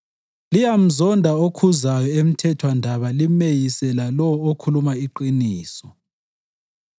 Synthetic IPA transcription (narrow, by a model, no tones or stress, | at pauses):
lijam̩zɔndʱaokʰuzajɔem̩tʰɛtʰwandʱaβalimejisɛlalɔwɔokʰulumaiǃiniːsɔ